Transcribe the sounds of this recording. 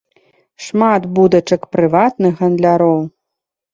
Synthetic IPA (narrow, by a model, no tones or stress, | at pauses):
ʂmat̪bud̪ɐt͡ʂɐkpɾɨvat̪nɨxɣɐnd̪lʲaɾɔw